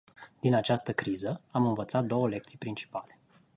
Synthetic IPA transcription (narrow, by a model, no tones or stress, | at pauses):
d̪̥inat͡ʃast̪əkɾizəamɨnvət̪sat̪̚d̪o̞wəle̞k̚t̪sijpɾint͡ʃi̥pale̞